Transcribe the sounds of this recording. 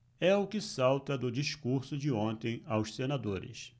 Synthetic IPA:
ɛʊkɪsawt̪ɐd̪ʊd͡ʒiʃkuɾsʊd͡ʒɪõnt̪ẽj̃awssenad̪oɾɪ̰s

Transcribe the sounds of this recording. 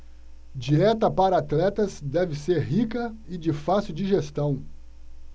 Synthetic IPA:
d͡ʒiɛt̪ɐpaɾɐat̪lɛt̪ɐzd̪ɛvɪseɾɦikɐɪd͡ʒɪfasid͡ʒiʒest̪ɐ̃w̃

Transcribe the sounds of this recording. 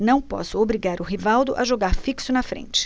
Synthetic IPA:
nɐ̃w̃pɔ̰sʊobɾiɡaɾʊɦivawd̪ʊʔaʒoɡaɾfiksʊnɐfɾḛ̃t͡ʃɪ̥

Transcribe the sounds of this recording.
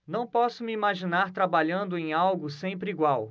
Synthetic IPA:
nɐ̃w̃pɔsʊmiimaʒinaɾt̪ɾabaʎɐ̃nd̪ʊẽj̃awɡʊsẽmpɾɪiɡwaw

